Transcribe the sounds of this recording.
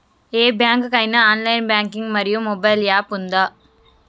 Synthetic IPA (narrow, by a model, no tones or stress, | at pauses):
eːbjaːŋkkɐɪnɐaːnlɐjnbjaːŋkɪŋɡmɐɾɪjɯmːɔbɐjljaːpʊnd̪aː